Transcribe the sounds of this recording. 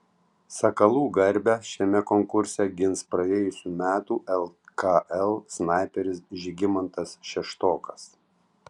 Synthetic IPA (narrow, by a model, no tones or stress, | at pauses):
sɐkɐlˠuːɡɐɾʲˑbʲɛʃʲɛmʲɛkɔŋkʊɾʲsʲɛɡʲɪnspɾɐɛjʊsʲuːmʲæːt̪uːʔɛlˠkɐʔɛlˠsnɑˑɪpʲɛɾʲɪsʒʲɪɡʲɪmɐnt̪ɐsʃʲɛʃt̪oːkɐ̥s